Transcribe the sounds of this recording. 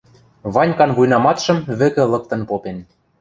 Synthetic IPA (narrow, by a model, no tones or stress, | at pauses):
βɑnʲkɑnβujnɑmɑt̪ʃɤ̆mβɘ̆kɘ̆lɤ̆k̚t̪ɤ̆npopen